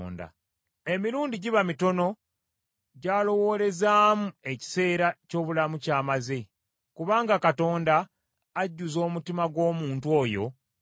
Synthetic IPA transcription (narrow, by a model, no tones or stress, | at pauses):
nda̰ | emiɾuːndiɟiβamito̞no̞ | ɟaːlo̞wo̞ːle̞zaːmue̞ci̥se̞ːɾaco̞ːβulamucaːmaze̞ | kuβaːŋɡakato̞ːndaː | ɟːuzo̞ːmutimaɡwo̞ːmuːntuo̞ːjo̞̰